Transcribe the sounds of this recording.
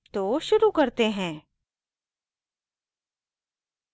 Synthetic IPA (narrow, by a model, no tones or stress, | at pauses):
t̪oʃʊɾukɐɾt̪eɦɛ̃ː